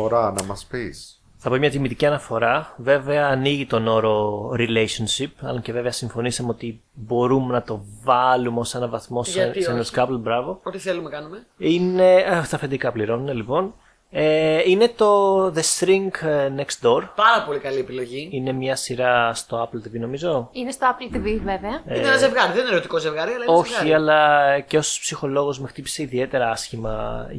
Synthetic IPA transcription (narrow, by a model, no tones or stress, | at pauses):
oɾɐnɐmɐspis | θɐpomɲɐt̪imit̪iciɐnɐfo̞ɾɐve̞ve̞ɐːniʝit̪o̞no̞ɾo̞ɾilejsonsipɐ̰loɲceve̞veɐsiɱfo̞nisɐmeo̞t̪i | bo̞ɾumenɐt̪o̞vɐlumeosenɐvɐθmo̞sesenɐskɐplbɾɐvo̞ot̪iθelumekɐnumeinet̪ɐfend̪ikɐpliɾo̞nune̞lipo̞n | eine̞t̪o̞ðe̞st̪ɾiŋɡnekst̪d̪o̞ɾpɐɾɐpo̞likɐliepilo̞ʝiine̞mɲɐsiɾɐst̪o̞ɐplt̪ivino̞mizo̞inest̪oɐplt̪iviveveɐinenɐzevɣɐɾiðenineɾot̪iko̞ze̞vɣɐɾiɐlɐioz̞çɐiɐlɐceospsixo̞lo̞ɣo̞zmext̪ipi̥seiðie̞t̪e̞ɾɐɐsçimɐ̰